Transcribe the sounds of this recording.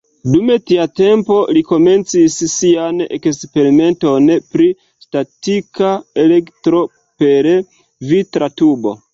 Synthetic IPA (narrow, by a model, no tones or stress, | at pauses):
dume̞tiate̞mpo̞liko̞me̞nt͡sissianḛkspe̞ɾime̞nto̞npɾi | statikae̞lektɾo̞ | peɾ | vitɾatubo̞̰